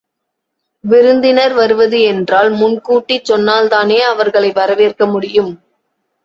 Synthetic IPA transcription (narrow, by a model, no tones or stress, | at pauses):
ʋɪɾɯnd̪ɪnɐɾʋɐɾɯʋɐðɯɛndraːlmʊnkuːʈːit͡ʃːɔnːaːlt̪aːneːɐʋɐɾɣɐɭɐɪʋɐɾɐʋeːrkɐmʊɽɪjɯm